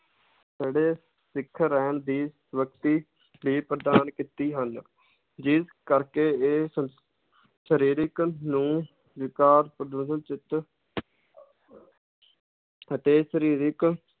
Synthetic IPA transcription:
d͡ʒeːɽeː | sɪkʰːɾɛːɳd̪iː | ʋəkt̪iː | biːpɾəd̪aːnkit̪iːɦən | d͡ʒɪskəɾkeːeːsə | ʃəɾiːɾɪknũː | ʋɪkaːɾpɾəd̪oːsənt͡ʃɪt̪ | ət̪eːʃəɾiːɾɪk

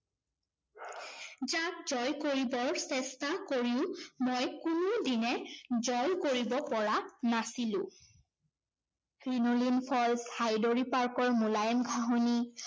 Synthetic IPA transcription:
zak̚zɔjkoɹibɔɹsɛstakoɹiʊ̃mojkʊnodinɛzɔjkoɹibɔpɔɹanasilʊ̰̃ | kɹinolinpʰɔlshajdoɹipaɹkɔɹmulajɛmɡʱaɦoni

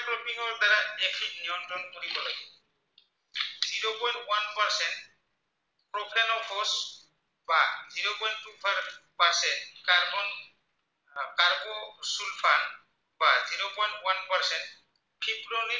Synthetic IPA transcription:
pɾɔpiŋɔɾtaɾaɛpʰikniɔntɾɔnuɾipɔɾɔ | z̥iɾopɔjntwanpaɾsɛnt̚ | pɾɔpʰenɔpʰɔs | baziɾopɔjntːupʰaɾpaɾsɛnt̚kaɾbɔn | kaɾbɔsulpʰan | baziɾopɔjntwanpaɾsɛnt̚ | pʰipɾoɾi

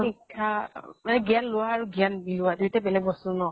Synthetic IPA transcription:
nikʰːamanɛɡianlʊwaːɹuɡianbilʊwadujtɛbɛlɛɡ̚bɔsʊnɔ

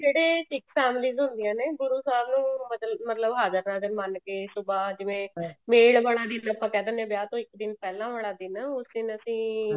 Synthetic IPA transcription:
d͡ʒeːɽeːʈɪkpʰɛːmliːzɦʊ̃nd̪ɪjãːneːɡʊɾuːsaːɾnũːmət̪mət̪ləbɦaːd͡ʒəɾnãːd͡ʒəɾmənkeːsʊbaːd͡ʒɪʋẽːmeːɽbəɽ̃aːd̪iːnəpãːkɛːd̪ənẽːbjaːt̪õːɪkd̪ɪnpɛːlãːʋəɽ̃aːd̪iːnãːʊsd̪ɪnəsĩː

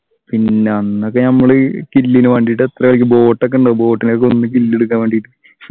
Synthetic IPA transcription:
pinːe̞ɐnːokːenɐmːɐɭɨkilːinɨʋɐɳɖiʈːet̪rɐɣɐɭik̬ʲːɨbo̞ːʈːɐk̬ːɐɳɖɐbo̞ːʈːinokːeo̞nːɨkilːeɽuk̬ːaːnʋeːɳɖiʈːɨ

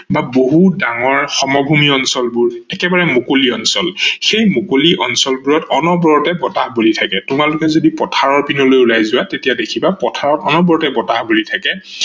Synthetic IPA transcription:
baboɦudaŋɔɹxɔmɔbʱumiɔnsɔlbuɹɛkɛbaɹɛmokoliɔnsɔlxejmokoliʔɔnsɔlbuɹɔtɔnɔbɔɹɔtɛbɔtahbulitʰakɛtʊmalʊkɛzodipɔtʰaɹɔɹpinɔlojulajzʊwatetijadekʰibapɔtʰaɹɔtɔnɔbɔɹɔtɛbɔtahbulitʰakɛ

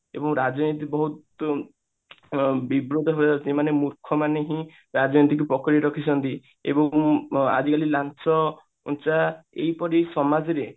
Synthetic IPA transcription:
ebɔŋɾad͡ʒɔnit̪̬ibɔɦut̪ | bibɾod̪ɔɦoasimanemuɾkʰɔmaneɦĩ | ɾad͡ʒɔnit̪ikupɔkɔɾiɾɔkʰit͡ʃʰɔnt̪i | ḛbɔŋa̰d͡ʒikalilant͡ʃɔ | ṵnt͡ʃaḛjpɔɾisɔmad͡ʒɔɾe

